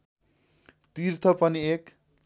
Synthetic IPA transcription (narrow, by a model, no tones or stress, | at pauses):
t̪irt̪ʰʌpʌniek